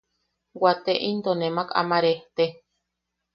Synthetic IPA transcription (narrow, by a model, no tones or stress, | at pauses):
wat̪eʔind̪onemaka̰maɾeht̪e